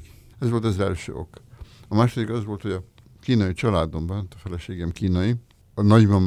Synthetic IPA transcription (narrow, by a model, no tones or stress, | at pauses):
ɛzʋo̞lt̪ɒzɛlʃø̰ːo̰kɒmaːʃod̪ikɒzʋo̞lt̪ho̞ɟɒ | kiːnɒjit͡ʃɒlaːd̪o̞mbɒnt̪ɒ̥fɛlɛʃeːɡɛmkiːnɒji | ɒnɒɟmɒm